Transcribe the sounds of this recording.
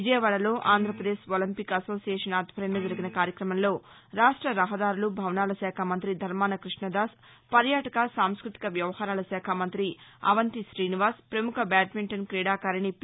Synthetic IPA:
ʋid͡ʒɐjɐʋaːɽɐlo̞ːʔaːnd̪ʱɾɐpɾɐd̪e̞ːʃolɐmpikɐso̞ːsijeːʂɐnaːd̪bʱɐɾɐnɐd͡ʒɐɾiɡinɐkaːɾjɐkɾɐmɐmlo̞ː | ɾaːʂʈɾɐɾɐɦɐd̪aːɾulubʱɐʋnaːlɐsɛːkʰɐmɐnt̪ɾid̪ʱɐɾmaːnɐkɾiʂɳɐd̪aːs | pɐɾjaːʈɐkɐsaːmskɾut̪i̥kɐʋjɐʋɐhaːɾaːlɐsɛːkʰɐmɐnt̪ɾiɐ̰ʋɐnt̪iʃɾiːniʋaːɾspɾɐmukʰɐbɛːʈ̚miɳʈɐnkɾiːɽaːkaːɾɐɳip

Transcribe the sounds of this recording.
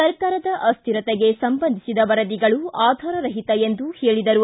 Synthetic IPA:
sɐɾkaːɾɐd̪ɐʔɐst̪ʰiɾɐt̪ɛɡe̞sɐmbɐnd̪ʱisid̪ɐʋɐɾɐd̪iɡɐɭuaːd̪ʱaːɾɐɾɐɦit̪ɐend̪uhe̞ːɭid̪ɐɾu

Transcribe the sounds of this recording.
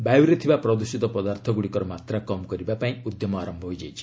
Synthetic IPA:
bajwɾet̪ʰibapɾɔd̪usit̪ɔpɔd̪aɾt̪ʰɔɡuɽikɔɾɔmat̪ɾakɔmkɔɾibapaĩud̪jɔmɔaɾɔmbʱɔɦojd͡ʒa̰jt͡ʃʰi̥

